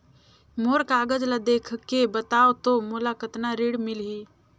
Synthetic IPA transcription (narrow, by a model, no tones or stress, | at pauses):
moːɾkaːɡəd͡ʒlad̪eːkʰkebət̪aːot̪omolakət̪naɾiːɽmɪlɦiː